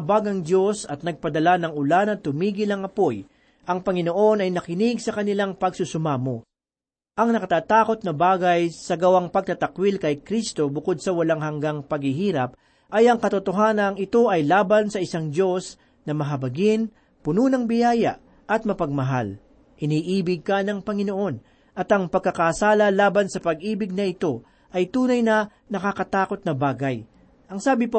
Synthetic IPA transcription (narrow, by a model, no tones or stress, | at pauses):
baɡɐŋd̪jo̞sɐt̪̚nɐɡ̚pɐd̪ɐlanɐŋʊlanɐt̪ʊmiːɡɪlɐŋɐpo̞j | ʔɐŋpɐŋɪno̞ʔo̞nɐjnɐkɪnɪɡsɐkɐnɪlaŋpɐɡsʊsʊmaːmo | ʔɐŋnɐkɐt̪aːt̪aːko̞t̪̚nɐbaːɡɐjsɐɡɐwaŋpɐɡ̚t̪ɐt̪ɐkwilkɐjkɾist̪o̞bʊko̞d̪̚sɐwɐlaŋɦɐŋɡaŋpɐɡhɪɦiːɾɐp̚ | ʔɐjɐŋkɐt̪ʊt̪oɦaːnɐŋɪt̪o̞ʔɐjlaːbɐnsɐɪsaŋd͡ʒo̞s | nɐmɐɦɐbɐɡɪn | pʊnuːnɐŋbɪjaːjɐ̰ʔ | ʔɐt̪̚mɐpɐɡ̚mɐɦa̰l | ʔɪniːʔiːbɪɡ̚kɐnɐŋpɐŋɪno̞ʔo̞n | ʔɐt̪ɐŋpɐɡ̚kːɐkaːsaːlɐlaːbɐnsɐpɐɡ̚ʔiːbɪɡ̚nɐɪt̪o̞ | ʔɐjt̪uːnɐjnɐ | nɐkakɐt̪aːko̞t̪̚nɐbaːɡɐj | ʔɐŋsaːbɪpo